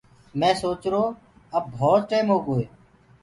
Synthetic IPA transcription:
mɛ̃ːsoːt͡ʃɾoː | əb̚bʱɔːt̪ʈeːmɦoːɡoːeː

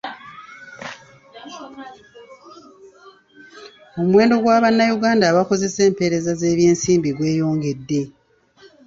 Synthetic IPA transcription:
omwe̞ːndo̞ɡwaːβanːajuɡaːndaβako̞ze̞se̞ːmpe̞ːɾe̞zaze̞ːβje̞ːnsiːmbiɡwe̞ːjo̞ːŋɡe̞dːe̞

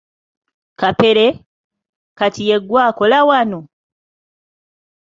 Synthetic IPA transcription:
kape̞ɾe̞ | katije̞ɡwaːko̞lawano

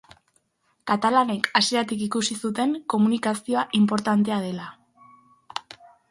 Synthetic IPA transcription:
kat̪alane̞kasiat̪ikikusisut̪e̞ŋko̞munikasio̞aʔimpo̞ɾt̪ant̪e̞að̞e̞la

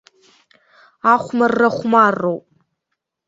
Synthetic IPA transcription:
aχʷmarːaχʷmarːowpʼ

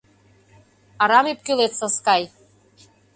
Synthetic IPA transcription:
ɑɾɑmip̚kylet̪sɤskɑj

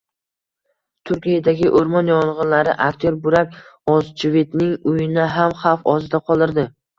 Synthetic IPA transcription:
t̪ʰʊɾkʲijad̪aɡʲɪʔoɾmɒnjɒɴʁɨnlaɾɪ̰ʔakʲt̪ʰjoɾbʊɾakʲɒzt͡ʃʰɪvet̪nɪŋʊjɪnɪɦamχɑfɒzɪd̪aqʰɒlˠɪɾd̪ɪ

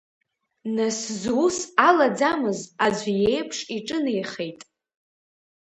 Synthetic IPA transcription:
naszusalad͡zamɨzad͡ʒʷjejpʰʂiʈ͡ʂʼɨnejχejtʼ

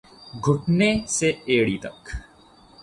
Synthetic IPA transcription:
ɡʱʊʈneseeːɽit̪ɐ̰k

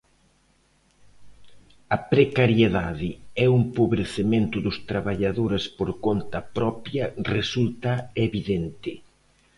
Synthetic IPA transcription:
ɐpɾekaɾjeðaðɪɛuŋpoβɾeθemẽnt̪ʊðʊst̪ɾaβaʎaðoɾɪspoɾkont̪ɐpɾɔpjɐresult̪ɐeβiðent̪ɪ

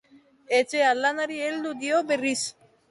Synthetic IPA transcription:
et͡ɕealːanaɾield̪ud̪ioberis

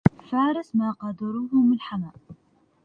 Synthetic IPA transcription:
faːɾɪsmaqɑd̪ʊɾuɦʊmɪlħamaʔ

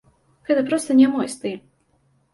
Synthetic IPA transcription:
ɣ̥ɛt̪ɐpɾɔst̪ɐnʲɛmɔjst̪ɨ

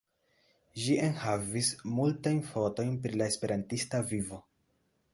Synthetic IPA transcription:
ʒiʔe̞nhavismultajnfo̞to̞jnpɾilae̞spe̞ɾantistavivo̞

